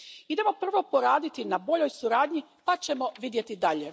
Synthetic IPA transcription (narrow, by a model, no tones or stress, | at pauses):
id̪e̞mo̞pr̩ʋo̞poɾaːd̪it̪inabo̞ʎo̞jsuɾaːd̪ɲipat͡ɕe̞mo̞ʋid̪je̞t̪id̪aʎe̞